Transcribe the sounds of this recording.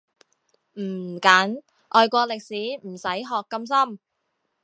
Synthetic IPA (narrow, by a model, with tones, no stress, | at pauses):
m̩˨˩kaː˨˥n | ʔɔː˨˧jkʷɔː˧lɪ˨k̚siː˨˥m̩˨˩sɐ˨˥jɦɔː˨kːɐ˧msɐ˥m